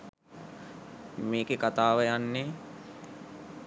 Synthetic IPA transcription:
meːkekat̪aːʋəjanːe

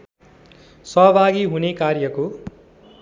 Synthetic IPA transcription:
sʌɦbʱaɡiɦunekaɾjʌko

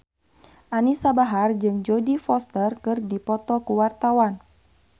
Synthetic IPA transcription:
ʔanisabaɦard͡ʒɨŋd͡ʒodifɔst̪ərkɨrdipɔt̪ɔkuwart̪awan

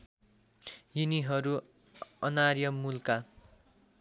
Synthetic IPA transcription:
jiniɦʌɾu | ʌnarjʌmulka

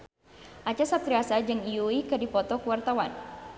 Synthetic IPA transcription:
ʔat͡ʃasap̚t̪ɾiasad͡ʒɨŋijuikɨdipɔt̪ɔkuwart̪awan

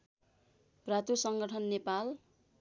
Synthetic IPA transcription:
prat̪usʌŋɡʌʈʰʌnːepal

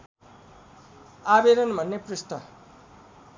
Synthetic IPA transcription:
abeɾʌnbʱʌnːeprust̪ʌ

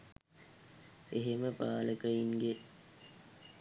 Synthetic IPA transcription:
eɦeməpaːləkəiŋɡe

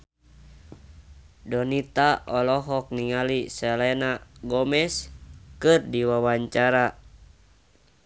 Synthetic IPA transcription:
dɔnit̪aʔɔlɔɦɔk̚niŋalisɛlɛnaɡɔmɛskɨrdiwawaɲt͡ʃaɾa

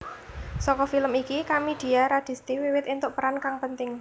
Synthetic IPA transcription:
sɔkɔfiləmikikamid̪̥i̤jaɾad̪̥i̤st̪iwiwɪt̪int̪ʊʔpəɾankaŋpənt̪ɪŋ

